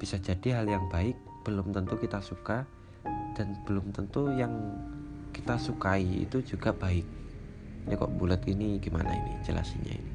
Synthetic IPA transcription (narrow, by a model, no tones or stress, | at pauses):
b̥isad͡ʒadiɦaljaŋbaɪk̚b̥əlʊmt̪ənt̪ukit̪asuka | d̥anb̥əlʊmt̪ənt̪ujaŋ | kit̪asukaiḭt̪ud͡ʒuɡab̥aɪk̚ | ɲakɔ̰ʔbulət̪iniɡima̰na̰ḭnḭd͡ʒəla̰siɲa̰ḭni